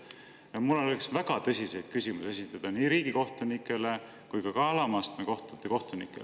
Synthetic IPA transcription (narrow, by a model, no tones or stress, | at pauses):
jɑmulːoleksvæɡ̥ɑt̪ɤsʲise̞jd̪̥̚kysʲimuse̞sit̪ːˑɑd̪̥ɑniːɾiːɡ̥iko̞ht̪unikːˑe̞le̞ | kujkɑkɑːlɑmɑst̪meko̞ht̪ut̪ːˑeko̞ht̪unikˑːḛl